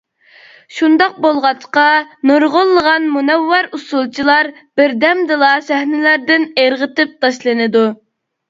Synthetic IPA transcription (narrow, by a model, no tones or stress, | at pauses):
ʃund̪ɑq̚bolˠʁɑt͡ʃqɑnoɾʁʊlˠːəʁɑnmunɛwːɑɾusulˠt͡ʃʰilˠɑɾb̥ɪɾd̪ɛmd̪ɨlˠɑsæhnɪlæɾd̪ɪneɾʁət̪ɪp̚t̪ʰɑʃlˠɨnɨd̪u